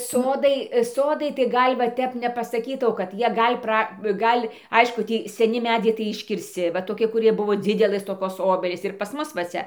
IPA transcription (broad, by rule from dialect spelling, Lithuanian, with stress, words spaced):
ˈsoːdɐɪ ˈsoːdɐɪ tɐɪ ˈɡɐlʲ ʋɐ ˈtʲɛp nʲɛpɐsɐˈkʲiːtɐʊ kɐt ˈjiɛ ˈɡɐlʲ ˈprɐ ˈɡɐlʲ ˈɐɪʃkʊ ˈtʲiː sʲɛˈnʲɪ ˈmʲæːd͡zʲɛɪ tɐɪ ɪʃʲkʲɪrʲsʲˈt͡sʲɪ ʋɐ toːˈkʲɪ kʊˈrʲiɛ ˈbʊʋoː ˈd͡zʲɪdʲɛlˠɘs toːˈkoːs ˈoːbʲɛlʲiːs ɪr pɐs ˈmʊs ʋɐ ˈt͡sʲɛ